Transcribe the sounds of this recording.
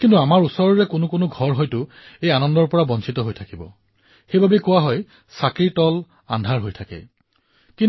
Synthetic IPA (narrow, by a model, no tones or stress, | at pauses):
kintuamaɹusɔɹɔɹɛkʊnʊkʊnʊɡʱɔɹɦɔjtʊ | ejanɔndɔɹpɔɹabɔnsitɔɦojtʰakibɔ | xejbʱabɛkʊwaɦɔj | sakɹitɔl | a̰ndʱaɹɦojtʰakɛ̰ | kin